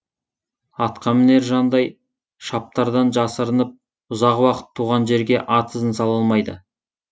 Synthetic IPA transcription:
ɑt̪qɑmne̞ɾʒɑnd̪ɑj | ʃɑp̚t̪ɑɾd̪ɑnʒɑsəɾənəp̚ | ʊzɑqwɑqə̥t̪ʰːuʁɑnʒe̞ɾɡʲe̞ʔɑt̪ʰəzənsɑlˠɑlˠmɑjd̪ə

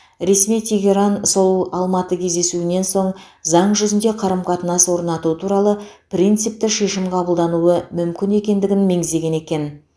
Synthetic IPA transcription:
ɾe̞smijt̪ʲʰe̞ɡʲe̞ɾɑnsolˠɑlˠmɑt̪əkʲʰe̞zd̪e̞suɪne̞nso̞ɴ | zɑɴʒʏzɪnd̪e̞qʰɑɾəmqʰɑt̪ənɑswo̞ɾnɑt̪uət̪ʰuɾɑlˠəprʲijnt̪sɨjp̚t̪ɪʃe̞ʃɪmqʰɑbəlˠd̪ɑnuəmʏmkʲɪne̞kʲe̞nd̪ɪɡʲɪnme̞ŋɪzd̪e̞ɡʲe̞ne̞kʲe̞n

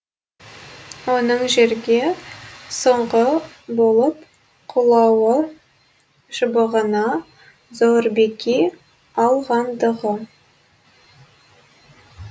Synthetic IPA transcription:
wonəɴʒeɾɡʲe̞soɴʁəbolˠəp | qʰulˠɑwə | ʒəbəʁənɑ | zoɾbekʲi | ɑlˠʁɑnd̪əʁə

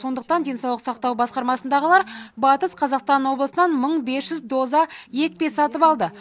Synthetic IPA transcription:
so̞nd̪əq̚t̪ɑnd̪ʲe̞nsɑwlˠəqsɑqt̪ɑwbɑsqɑɾmɑsənd̪ɑʁəlˠɑɾbɑt̪əsqʰɑzɑqst̪ɑnwo̞blˠəsənɑnməɴbe̞sʒʏzd̪o̞zɑje̞k̚pe̞sːɑt̪əpɑlˠd̪ə

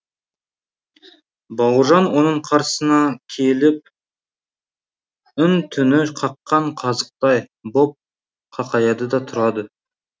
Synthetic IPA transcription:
bɑwʒɑnwo̞nəɴqʰɑɾsənɑkʲʰelɪp̚ | ʏnt̪ʰʏnɪqʰɑqːɑɴqʰɑzəq̚t̪ɑjbo̞p̚ | qʰɑqɑjɑd̪əd̪ɑt̪ʰʊɾɑd̪ə

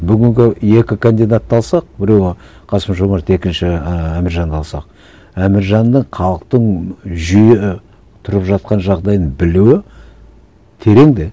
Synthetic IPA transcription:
bʏɡʲɪŋɡʲɪe̞kʲɪkʰond̪ijd̪at̪ːɑlˠsɑq̚bɪɾe̞w | qʰɑsəmʒomɑɾt̪e̞kʲɪnʃɪæmɪɾʒɑnd̪ɑlˠsɑq̚ | æmɪɾʒɑnd̪əɴqʰɑlˠəqt̪əɴʒʏjɪ | t̪ʰʊɾəpʒɑt̪̚qɑnʒɑʁd̪ɑj̪ənbɪluwɪ | t̪ʰe̞ɾe̞ŋd̪ɪ

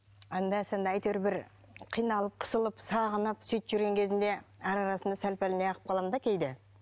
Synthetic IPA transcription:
ɑnd̪ɑsend̪ɑɑjt̪eɾbɪɾ | qʰijnɑlˠəp̚qʰə̥səlˠəpsɑʁənəpsejt̪ʒʏɾɡʲeŋkʲʰe̞zɪnd̪e̞æɾɑɾɑsənd̪ɑsælpælɪne̞jɑqə̥p̚qʰɑlˠɑmd̪ɑkʲʰejd̪ɪ

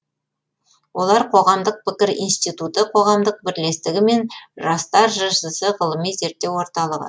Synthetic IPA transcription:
wʔo̞lˠɑɾqʰo̞ʁɑmd̪əq̚pɪkʲɪɾḭnst̪it̪ut̪əqʰo̞ʁɑmd̪əq̚bɪɾle̞st̪ɪɡʲɪme̞nʒɑst̪ɑɾʒɑʃəsəʁəlˠəmijze̞ɾt̪ːe̞wo̞ɾt̪ɑlˠəʁə̰

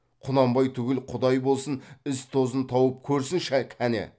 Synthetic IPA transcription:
qʰʊnɑmbɑjt̪ʰʏɡʲɪlqʰʊd̪ɑjbo̞lˠsənɪst̪ʰo̞zənt̪ʰɑwəp̚kʲʰɵɾsɪnʃækʲʰænḛ

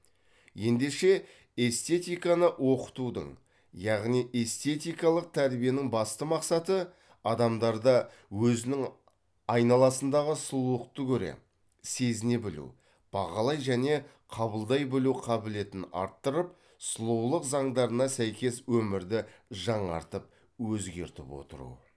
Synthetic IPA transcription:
je̞nd̪e̞ʃe̞ | e̞st̪e̞t̪ijkɑnəʔwo̞qə̥t̪ud̪ə̰ɴ | jɑʁnijʔe̞st̪e̞t̪ijkɑlˠəq̚t̪ʰæɾbije̞nɪŋbɑst̪əmɑqsɑt̪ə | ɑd̪ɑmd̪ɑɾd̪ɑ | wɵzɪnɪŋ | ɑjnɑlˠɑsənd̪ɑʁəsʊlˠuəq̚t̪əkʲʰɵɾḛ | se̞zɪne̞bɪlṵw | b̥ɑʁɑlˠɑjʒæne̞ | qʰɑbəlˠd̪ɑjbɪluqʰɑbɪle̞t̪ɪnɑ̰ɾt̪ːəɾəp̚ | səlˠuwlˠəqzɑɴd̪ɑɾənɑsæjkʲe̞swɵmɪɾd̪ɪʒɑɴɑ̰ɾt̪əp̚ | wɵzɡʲe̞̰ɾt̪ɪpwo̞̰t̪əɾṵ

